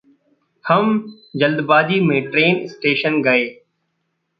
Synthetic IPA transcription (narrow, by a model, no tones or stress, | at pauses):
həm | d͡ʒəld̪baːd̪imẽːʈɾeːnɪsʈeːʃənɡəeː